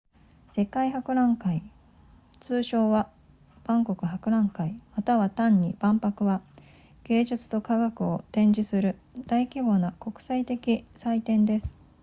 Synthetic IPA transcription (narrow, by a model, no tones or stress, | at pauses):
se̞kaiɦakɯ̟ɾãŋkai | t͡sɨːɕo̞ːβa | b̥ãŋko̞kɯ̟ɦakɯ̟ɾãŋkaimat̪aβat̪ãɲ̟ːib̥ãmpakɯ̟βa | ɡ̥e̞ːd͡ʑɨt͡sɨ̥t̪o̞kaɡakɯ̟o̞t̪ẽ̞ɲ̟d͡ʑisɨɾɯ̟d̪̥aikʲibo̞nako̞kɯ̟̥sait̪e̞kʲisait̪ẽ̞nd̪e̞sɨ̥